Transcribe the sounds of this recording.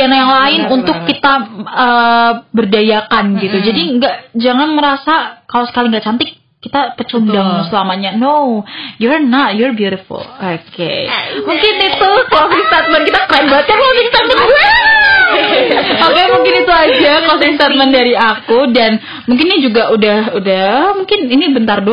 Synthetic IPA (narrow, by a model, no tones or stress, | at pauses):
anajaŋlaɪnunʊkːit̪aəbərdajakanɡit̪ud͡ʒadiŋɡaʔd͡ʒaŋanməɾasakalosə̥kaliŋɡaʔt͡ʃant̪ɪkː | it̪apət͡ʃundaŋnusəlamaɲanowjuɾnat̪̚jɔɹbjuɾɪfṵlokḛmuŋkɪnit̪ukɔsiŋst̪at̪̚mɛnkit̪akəɾanbaat̪̚kankɔsɪŋst̪at̪mɛnɡuɛ | okɛmuŋkɪnit̪uad͡ʒakɔsiŋst̪at̪̚mɛndaɾiakudan | muŋkɪnid͡ʒuɡaʔudahudahəmuŋkɪninibənt̪ardo